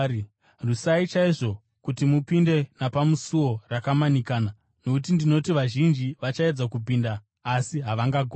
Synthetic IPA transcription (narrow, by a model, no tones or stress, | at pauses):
rusait͡ʃaiʐo̞ | kutimupinde̞napamusuwo̞rakamanikaːna | no̞kut̬indino̞tiʋaʒind͡ʒiʋat͡ʃae̞d͡zakup̬iːndaː | siɦaʋaŋɡaɡʱo